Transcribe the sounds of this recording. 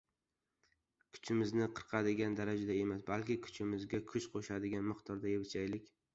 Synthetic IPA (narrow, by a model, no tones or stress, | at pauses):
kʰʊ̥t͡ʃʰɪmɪznɪqʰɨɾqʰɑd̪ɪɡʲand̪aɾad͡ʒad̪ae̞masbalkʲɪkʰʊ̥t͡ʃʰɪmɪzɡʲakʰʊʃqʰoʃad̪ɪɡʲanmɨqt̪ʰɒɾd̪ajebɪt͡ʃʰajlɪkʲ